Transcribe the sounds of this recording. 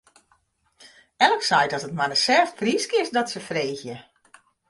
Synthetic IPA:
ɛlˠəksɛjtɔsətmadəsɛːftfriskɪsdɔtsəfreːxjə

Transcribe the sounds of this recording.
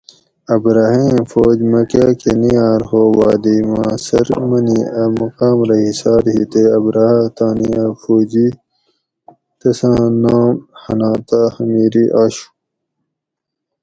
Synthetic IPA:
ɐbɾaːɦẽːmfoːd͡ʑmɐkaːkenijaːɾhoːwaːd̪imãːsɐ̰ɾmɐniɐmɐqaːmɾɐɦisaːɾɦit̪eɐbɾaːhat̪aːniafoːd͡ʑi | t̪ɐsãːnaːmhɐ̰naːt̪ahɐmiːɾiʔaːɕu̥

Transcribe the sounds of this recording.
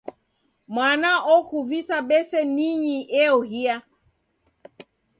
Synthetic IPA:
mwanaʔɔkuvisaɓɛsɛniɲiɛɔhia

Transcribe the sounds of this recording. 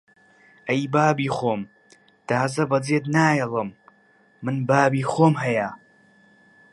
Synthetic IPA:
ʔɐjbaːbiːxoːm | t̪aːzɐbɐd͡zeːd̪naːjɐlˠɨmː | ɨnbaːbiːxoːmɦɐja

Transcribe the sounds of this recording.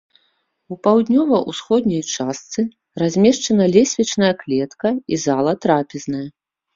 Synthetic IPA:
upawd̪ʲnʲɔvɐʔusxɔd̪nʲɐjt͡ʂast̪sɨ | razʲmʲɛʂt͡ʂɐnɐlʲɛsʲvʲit͡ʂnɐjɐklʲɛt̪kɐizalˠɐt̪ɾapʲiznɐjɐ

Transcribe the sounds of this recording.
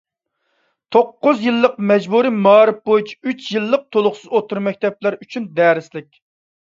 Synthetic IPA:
t̪ʰoqːʊzjɨlˠːəqmɛd͡ʒbuɾimɑːɾɨp̚bojut͡ʃʰi̥yt͡ʃʰjilˠːəq̚t̪ʰolˠʊχsɨzot̪ʰuɾmɛk̚ʲt̪ʰɛplæɾyt͡ʃʰynd̪ɛːɾɪslɪkʲ

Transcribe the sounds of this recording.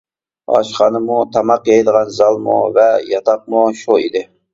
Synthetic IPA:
ɑ̰ʃχɑnɨmut̪ʰɑmɑqjejd̪əʁɑnzɑlˠmṵvɛjɑt̪ʰɑq̚muʃuid̪ɪ

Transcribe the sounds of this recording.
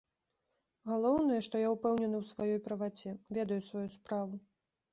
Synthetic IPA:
ɣalˠɔwnɐjɐʂt̪ɔjaupɛwnʲɛnɨwsvajɔjpɾɐvat͡sʲɛvʲɛd̪ɐjusvajuspɾavu

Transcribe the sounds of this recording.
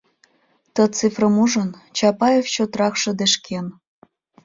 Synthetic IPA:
t̪ə̆t͡sifrəmuʒənt͡ɕɑpɑjeft͡ɕot̪rɑkʃɤ̆d̪eʃkʰen

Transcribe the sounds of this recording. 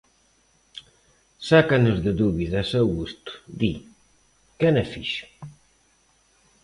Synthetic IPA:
sakanʊzðɪðuβiðasɛwɣust̪ʊ̥d̪i | kɛnɛfiʃʊ̥

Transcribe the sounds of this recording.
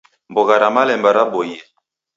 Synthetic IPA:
mboɣaɾamalɛmbaɾabojɛ

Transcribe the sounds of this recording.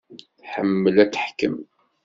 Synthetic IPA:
θħəmːəlæt͡sːəħkəm

